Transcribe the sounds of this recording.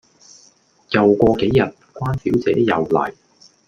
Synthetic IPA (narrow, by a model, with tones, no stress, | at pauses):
jɐ˨wkʷɔː˧ke˨˥jːɐ˨t̚kʷaː˥nsiː˨˥wt͡sɛ̰ː˨˥jɐ˨˧wlɐ̰˨˩j